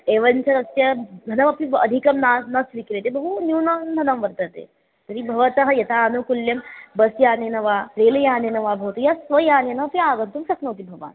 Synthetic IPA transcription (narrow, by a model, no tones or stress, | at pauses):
eːʋɐnt͡ʃʰɐnɐt̪jɐd̪ʱɐnɐmɐpiɐ̰d̪ʱikɐmnanɐsʋikɾet̪ebɐɦunjuːnɐnd̪ʱɐnɐmʋɐɾt̪ɐt̪ḛː | t̪ɐɾibʱɐʋɐt̪ɐɦɐjɐt̪aːnukuljɐmbɐsjaːnenɐʋaːɾeːlɐjaːnenɐʋaːbʱɐʋɐt̪ujasʋɐjaːnjɐnɐɐpiaːɡɐnt̪umʃɐknɐwt̪̬ibʱɐʋa̰ːn